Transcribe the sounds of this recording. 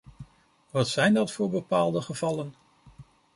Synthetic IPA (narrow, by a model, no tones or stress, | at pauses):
ʋɑtsɛjndɑtfʊːɹbəpaːlˠdəχəvɑlən